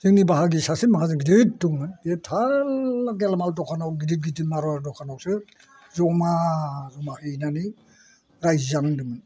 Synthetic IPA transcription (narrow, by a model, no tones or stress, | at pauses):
zɯŋnibaɦaɡisasinmaɦazɯɡidɯt̚duŋɯndetʰaaɡɛlamaldɔkʰanawɡidit̚ɡitimaɾɔaɾdɔkʰanawsɯ | zɔmazɔmaɯjnani | ɾajzzaŋdɯmɯn